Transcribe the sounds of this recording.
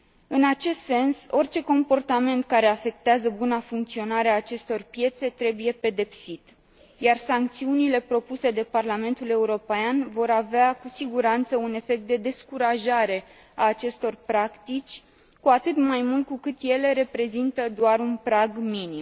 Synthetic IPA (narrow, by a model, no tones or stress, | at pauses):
ɨnat͡ʃe̞st̪se̞nso̞rt͡ʃe̞ko̞mpo̞rt̪ame̞nt̪kaɾe̞afe̞k̚t̪eazəbunafuŋk̚t̪sio̞naɾeaːt͡ʃe̞st̪o̞rpje̞t̪se̞t̪ɾe̞buje̞pe̞d̪e̞psit̪ | jarsaŋk̚t̪siunile̞pɾo̞puse̞d̪e̞parlame̞nt̪ule̞uɾo̞peanvo̞ɾaveakusiɡuɾant̪səune̞fe̞k̚t̪̚d̪e̞d̪e̞skuɾaʒaɾe̞ | aːt͡ʃe̞st̪o̞rpɾakt̪it͡ʃʲ | kuat̪ɨt̪majmult̪̚kukɨt̪je̞le̞ɾe̞pɾe̞zint̪əd̪oarunpɾaɡminim